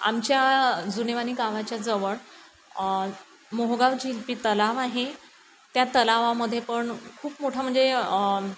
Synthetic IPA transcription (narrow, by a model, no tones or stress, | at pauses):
a̰mt͡ɕjad͡zuneʋaniːɡaʋat͡ɕjad͡zəʋəɭ | moɦɡaʋd͡ʑilpiːt̪əlaʋaɦe | t̪jat̪əlaʋaməd̪ʱjepəɳkʰuːpmoʈʰam̤əɳd͡ze